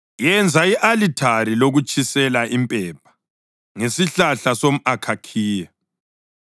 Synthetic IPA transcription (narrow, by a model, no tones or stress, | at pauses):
jɛnd͡zʱaiʔalitʰariloɣut͡ʃʼʰisɛlaʔimpʼɛːp̚ʰḁ | ŋesiɬaɬasom̩akʰakʰiːja